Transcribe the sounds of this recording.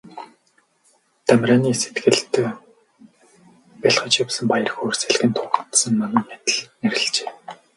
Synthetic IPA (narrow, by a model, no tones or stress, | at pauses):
t̪æmʲrʲaːniːset̪ɡɘ̆ɮt̪ː | pʲaɮχə̆t͡ɕjʊwsə̆mpajə̆rxoːrseɮɡɘ̆nt̪ʰʊt̪sə̆nmanăːmet̪ɘ̆ɮneɾɘ̆ɮt͡ɕeː